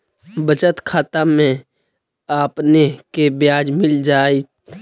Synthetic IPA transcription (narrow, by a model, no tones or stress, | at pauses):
bət͡ʃət̪kʰaːt̪amẽ | aːpnekebjaːd͡ʒmɪld͡ʒaːe